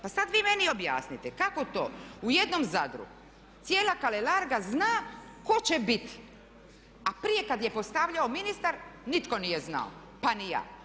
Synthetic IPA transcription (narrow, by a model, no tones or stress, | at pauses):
pasad̪ʋiːme̞nio̞bja̰ːsnit̪ekako̞t̪o̞̰ːuje̞d̪nomzad̪ɾṵɡ | t̪sijeːlakalelaɾɡaznaː | ko̞t͡ɕebit̪i̥ | apɾije̞kad̪je̞po̞st̪aʋʎaominist̪aɾnit̪ko̞nije̞zna̰o̰ | panija̰ː